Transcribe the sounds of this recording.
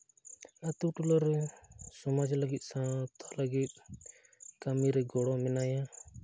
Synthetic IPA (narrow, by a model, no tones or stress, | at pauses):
at̪uʈulaɾɛsɔmad͡ʒləɡit̪̚ˀsãt̪ʰaləɡit̪̚ | kamiɾɛɡɔɽɔmɛnaja